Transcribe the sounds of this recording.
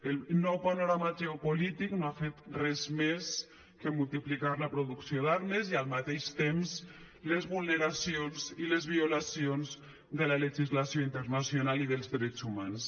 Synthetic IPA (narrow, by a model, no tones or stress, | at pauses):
elnɔwpanoɾamaʒeopolit̪iknoafet̪rɛzmes | kemulˠt̪iplikaɾləpɾoðuksjoðaɾmezialˠmat̪eʃt̪ems | lezβulˠneɾasionzilezβiolasionz | ðəlaleʒizlasjoint̪əɾnasjonaliðəlˠzðɾɛt͡sumans